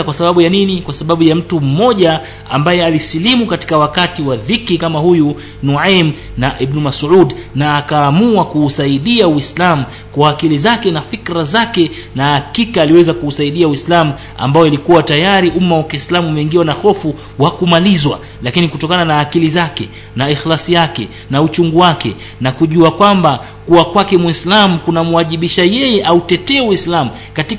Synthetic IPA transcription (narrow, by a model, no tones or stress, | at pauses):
kwasaɓaɓujaninikwasaɓaɓujam̩tum̩mɔʄa | a̰mbajɛalisilimukati̥kawakatiwaðikikamahuju | nuʕam | naʔibnumasʕudnaːkaːmuakuːsaiɗiawislamu | kwaːkilizakɛnafikɾazakɛ | nahakikaːliwɛzakuːsaiɗiauislamu | a̰mbajɔilikuwatajaɾiʔumawakislamuːmɛiŋɡiwanahɔfu | wakumalizwa̰ | lakinikutɔkananaːkilizakɛ | naixlasijakɛ̰ | naut͡ʃuŋɡuwakɛ̰ | nakuʄuakwamba | kuwakwakɛmwislamukunamuwaʄiɓiʃajɛjɛʔautɛtɛuwislamu | kati